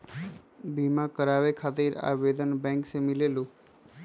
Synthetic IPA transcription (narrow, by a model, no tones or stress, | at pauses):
bimãkəɾaʋekʰat̪ɪɾa̰ʋed̪ənbɛ̃ŋksemɪlelũ